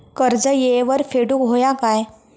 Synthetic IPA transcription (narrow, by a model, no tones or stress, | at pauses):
kəɾd͡zəjeʋəɾfeɽukɦojakaj